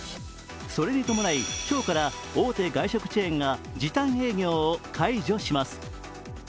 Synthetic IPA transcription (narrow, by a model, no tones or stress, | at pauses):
so̞ɾe̞ɲ̟it̪o̞mo̞naikʲo̞ːkaɾa | oːt̪e̞ɡaiɕo̞kɯ̟̥t͡ɕiẽŋɡad͡ʑit̪ãɰ̃he̞ːɡʲo̞ːkʰaiʑo̞ɕimasɨ̥